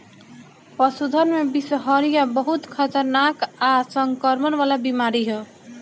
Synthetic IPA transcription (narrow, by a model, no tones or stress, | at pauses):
pəsud̪ʱənmebisɦʌɾijabəɦut̪kʰʌt̪əɾnakasʌŋkəɾmənʋalabimaɾiɦo